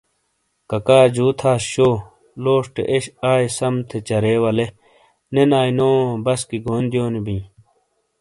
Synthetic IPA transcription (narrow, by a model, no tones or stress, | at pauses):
kɐkaːd͡ʑuːt̪ʰaːsɕoː | loːʂʈḛʔeɕaːjsɐmt̪ʰet͡ɕɐɾeːwɐle | nenaːinoːbɐskiɡoːnd̪ijoːnibĩː